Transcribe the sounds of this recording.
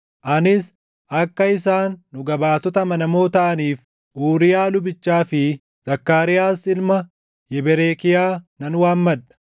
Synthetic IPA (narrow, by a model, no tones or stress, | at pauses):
ʔɐnɪs | ʔɐkːɐɪsaːnːʊɡɐbaːt̪ɔt̪ɐmɐnɐmo̞ːt̪ɐʔɐniːf | ʔuːɾɪjaːlʊbɪt͡ʃːaːfɪ | z̥ɐkːaːɾɪjaːsɪlmɐ | jɛbɛɾeːkɪjaːnɐnwaːnmɐᶑɐ̥